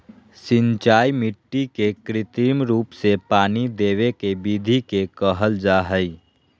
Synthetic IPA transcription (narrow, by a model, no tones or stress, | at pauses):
sɪ̃ɲt͡ʃaːjmɪʈːikekɾɪt̪iːmɾuːpsepaːnid̪eːʋekebid̪ʱikekəɦəld͡ʒaɦəi